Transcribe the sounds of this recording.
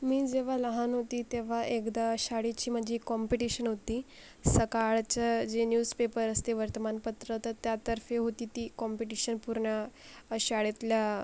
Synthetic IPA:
miːd͡zeʋ̤aləɦanɦot̪iːt̪eʋ̤aʔekd̪aɕaɽit͡ɕiːm̤əd͡ʑikːɔmpiʈiɕənɦot̪iː | səkaɭt͡ɕad͡ʑenjuspepəɾəst̪eʋəɾt̪əmanpət̪ɾət̪ət̪jat̪əɾfeɦot̪iːt̪iːkɔmpiʈiɕənpuɾɳa | ɕaɽet̪lja

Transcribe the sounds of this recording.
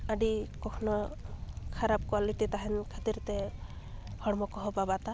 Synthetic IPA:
aɖikɔkʰnɔ | kʰaɾab̚kwaliʈit̪aɦɛnkʰat̪iɾt̪ɛ | ɡʱɔɽmɔkɔɦɔbabat̪a

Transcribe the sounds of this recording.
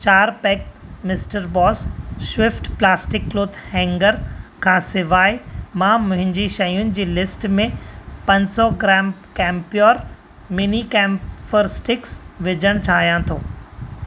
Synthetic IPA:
t͡ɕaːɾpɛːk̚mɪsʈəɾbɔːsʃwɪfʈplaːsʈɪkːloːd̪hɛ̃ːŋɡəɾkʰãːsɪʋaːimãːmʊ̃ɦɪ̃ɲd͡ʑiʃɐjʊnɪ̆d͡ʑiːlɪsʈmẽpɐ̃ɲsɔɡɾɛːmkɛ̃ːmpjoːɾ | mɪnikɛ̃ːmfəɾsʈɪksʋɪd͡ʑəɽ̃t͡ɕʰaːɦijãt̪ʰoː

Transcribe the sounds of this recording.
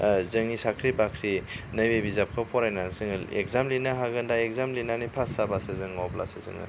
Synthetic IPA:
zɯŋisakʰɾibakʰɾinɐjwebizap̚kʰɯpʰɔɾajnansɯŋlḛkzamlinaɦaɡɯndaekzamlinanipʰasabasezɯŋawbla̰sezɯ̰ŋa̰

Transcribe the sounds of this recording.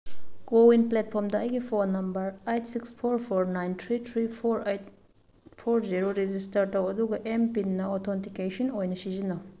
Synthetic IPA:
ɡowinplet̚pʰɔɾmdɐɐjɡipʰonːɐmbɐɾejtʰsikspʰoɾpʰoɾnajnt̪ʰɾitʰɾipʰoɾejt | pʰoɾziɾoɾezistɐɾtɐwɐduɡɐʔempinːɐɔtʰɔntikesɔnojnɐsizinɐ

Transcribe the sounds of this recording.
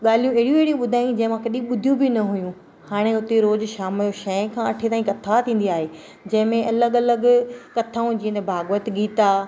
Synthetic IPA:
ɠaːl̤ijũɽijũeɦɽijũɓʊd̪ʱaːjĩd͡ʑɐ̃ɦɪ̃mãkɐɗĩɓʊd̪ʱijũbʱinɐɦʊjũ | haːɽ̃eʊt̪eɾoːzʃaːmjoʃɐ̃kʰãɐʈʰet̪aːĩkɐt̪ʰat̪ʰĩːn̆d̪iaːɦe | d͡ʑɐ̃ɦɪ̃mẽʔɐləɠɐləɡkɐt̪ʰaːũd͡ʑĩːənd̪ebʱaːɡʋət̪ɠiːt̪a

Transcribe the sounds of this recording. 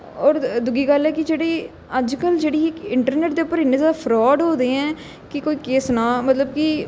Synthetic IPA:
ɔːɾd̪ʊɡiːɡəlɛːkɪd͡ʒeːɽeː | əd͡ʒkəld͡ʒeːɽiːɪkɪɳʈəɾneːʈ̚d̪eːʊpːəɾɪnːeːzaːd̪aːpʰɾɔːɖɦoːd̪eːɛ̃ː | kɪkoːiːkeːsnaːmət̪ləb̚kɪ

